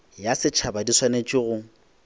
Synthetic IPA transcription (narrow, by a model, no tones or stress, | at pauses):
jasɪt͡ʃʰabadiswanet͡ʃʼɪɣʊŋ̩